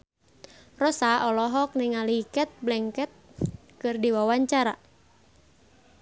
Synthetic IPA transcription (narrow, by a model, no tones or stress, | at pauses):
rɔsaɔlɔɦɔk̚nɪŋalikɛt̪̚blɛŋkɛt̪̚ | kɨrdiwawaɲt͡ʃaɾa